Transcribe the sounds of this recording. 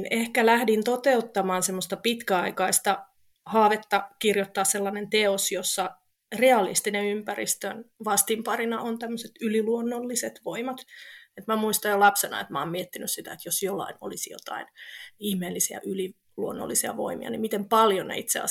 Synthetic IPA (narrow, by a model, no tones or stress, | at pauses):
nehkælæhdint̪ot̪eut̪ːɑmɑːnsemːost̪ɑpit̪kæɑikɑist̪ɑ | hɑːʋet̪ːɑkirjot̪ːɑːsselːɑnent̪eosjosːɑ | reɑlḭst̪ineympærḭst̪ønʋɑst̪impɑrinɑ̰ont̪æmːøset̪yliluonːolːiset̪ʋoimɑt̪et̪mæmuist̪ɑjjolɑpsenɑ̰ḛt̪mɑ̰ːmmiet̪ːinyssit̪æ̰et̪josjolːɑ̰ino̰lisjo̰t̪ɑ̰inihmeːlːisiɑ̰ʔyli | luonːo̰lːisiɑ̰ʋo̰imḭɑ̰nimit̪empɑljonḛit̪sḛɑ̰